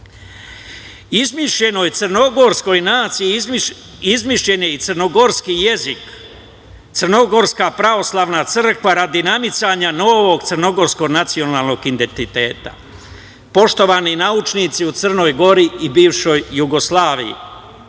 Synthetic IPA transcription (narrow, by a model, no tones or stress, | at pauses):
izmiʃʎe̞no̞jt̪sər̩no̞ɡo̞ɾsko̞jnaːt̪sii | izmiʃʎe̞ɲeit̪srno̞ɡo̞ɾskije̞zik | t̪sɨrno̞ɡo̞ɾskapɾaʋo̞slˠaʋnat̪sr̩kʋaɾad̪inamit̪saɲano̞ːʋo̞ɡt̪sərno̞ɡo̞ɾsko̞ɡnat̪sio̞naːlˠno̞ɡind̪e̞nt̪it̪e̞ːt̪a̰ | po̞ʃt̪o̞ʋaːninaut͡ʃnit̪siut̪sər̩no̞jɡo̞ɾiibiːʋʃo̞jːuɡo̞slˠaːʋḭjḭ